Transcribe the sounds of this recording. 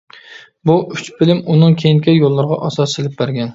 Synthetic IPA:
bʊʔʊt͡ʃbɪlɪmʊnɪŋkʲʰejɪŋkʲajolˠːɨɾʁɑ̰ʔɒsɒsɪlɪp̚baɾɡʲan

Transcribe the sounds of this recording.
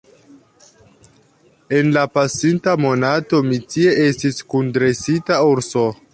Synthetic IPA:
e̞nlapasintamo̞nato̞mitie̞ʔestiskundɾe̞sitauɾso

